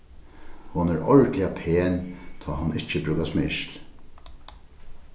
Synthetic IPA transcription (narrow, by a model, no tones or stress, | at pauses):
hʊnɛɾɔɹtlɪapʰeːnt̪ʰɔːɦʊnɪt͡ʃəbɾʉːkasmɪʃl